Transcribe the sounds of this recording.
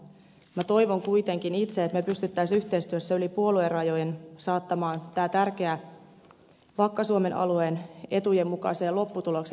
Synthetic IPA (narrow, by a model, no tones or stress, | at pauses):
mæt̪o̞jʋo̞ŋkuit̪e̞ŋkinit̪seːt̪mepyst̪yt̪ːæisyht̪eist̪yøsːseylipuoluerɑjo̞jensɑːt̪ːɑmɑːnt̪æːt̪ærk̟e̞æ | ʋɑkːɑsuome̞nʔɑ̰lueːne̞t̪ujemːukɑ̰seːlo̞pːut̪ulo̞kse